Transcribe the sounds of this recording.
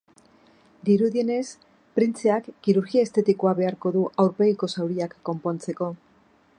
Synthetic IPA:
d̪iɾuðie̞ne̞s | pɾint͡seakːiɾuɾɣiaest̪e̞t̪ikoaβe̞aɾko̞ðuʔawɾpe̞ɣiko̞sawɾiakːo̞mpo̞nt͡se̞ko̞

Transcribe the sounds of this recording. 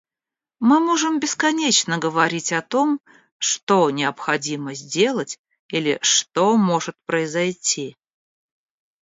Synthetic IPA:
mɨmoʐɨmbʲɪskɐnʲet͡ɕnəɡəvɐɾʲitʲɐt̪o̞m | ʂt̪onʲɪɐpxɐdʲiməzʲdʲe̞lˠətʲ | ilʲɪ̰ʂt̪omo̞ʐɨt̪̚pɾəɪzɐjtʲʰi

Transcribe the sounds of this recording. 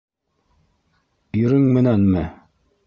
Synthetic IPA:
iɾɘŋmɘ̆nænmɘ

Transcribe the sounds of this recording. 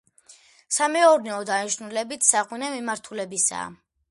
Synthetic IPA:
samɛɔɾnɛɔd̪aniʃnulɛbit̪ʰsaʁwinɛmimaɾt̪ʰulɛbisa̰ː

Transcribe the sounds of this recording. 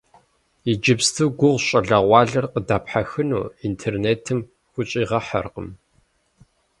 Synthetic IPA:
id͡ʒɪpstʰɨwɡʷʊʁʷɕʼɐɮɐʁʷɑːɮɐrqədaːpħaxɨnṵːintʰeːrneːtʰɨm | xʷʊt͡ʃʼiːʁɐħɐ̰rqə̰m

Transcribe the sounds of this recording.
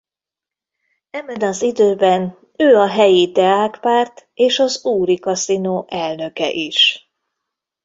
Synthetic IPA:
ɛmɛd̪ɒnzid̪øːbɛn | øːɒɦɛjit̪ɛaːkpaːrt̪eːʃɒzuːɾikɒsinoːʔɛlnø̞kɛ̰ʔiʃ

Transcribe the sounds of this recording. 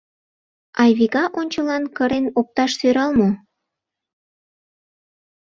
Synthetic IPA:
ɑjβiɣɑʔonʲt͡ɕəlɑnkəɾenop̚t̪ɑʃsøɾɑlmo

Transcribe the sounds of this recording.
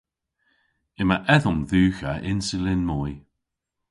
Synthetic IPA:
ɪmaʔɛðʊmðʉːxaʔɪnsɪlɪnmɔj

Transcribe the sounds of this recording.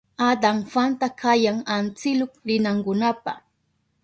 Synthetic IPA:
ad̪aŋfant̪akʰajaŋant͡sɪlokɾɪnaŋkʊnapa̰

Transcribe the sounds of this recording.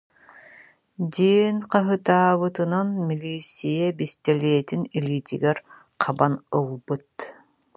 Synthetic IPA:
d̪iɛnqɑɦɯt̪aːβɯt̪ɯnanmilʲiːsʲijɛbist̪ɛliːt̪iniliːt̪ḭɡɛɾ | qʰabanɯlˠbɯt̪

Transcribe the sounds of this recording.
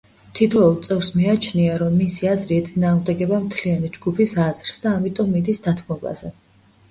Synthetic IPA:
t̪ʰit̪ʰɛɔlˠt̪sʼɛvɾsmiat͡ʃʰniaɾɔmːisiazɾiɛt̪sʼinaːʁmd̪ɛɡɛbamt̪ʰlianid͡ʒɡupʰisazɾsd̪aːmit̪ʼɔmːid̪isd̪at̪ʰmɔba̰zɛ

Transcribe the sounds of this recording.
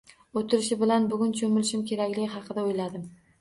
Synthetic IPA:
ot̪ʰɪɾɪʃɪbɪlanbʊɡʲʊnt͡ʃʰomɪlɪʃɪmkʲʰe̞ɾakʲlɪɡʲɪɦɑqʰɨd̪aojlad̪ɪm

